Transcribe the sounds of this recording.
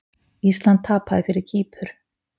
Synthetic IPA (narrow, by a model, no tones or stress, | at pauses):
ist̪lant̪ʰːaːpaðɪfɪɾɪɾ̥cʰiːpʰʏɾ̥